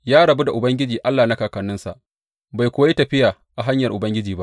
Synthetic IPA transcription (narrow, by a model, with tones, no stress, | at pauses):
jaː˦ɽɐ˨bu˦da˨ʔʊ˨bɐ˦ŋɡʲɪ˦d͡ʒiː˨ʔa˦lːaː˨na˦kaː˨kɐ˨nːʊ˦nsa̰˨ʔ | ba˨jkʷʊ˦wa˦ji˦tɐ˨ɸɪ˦jaː˨ | ʔa˨ɦa˦ɲjɐ˨rʔʊ˨bɐ˦ŋɡʲɪ˦d͡ʒiː˨ba˦ʔ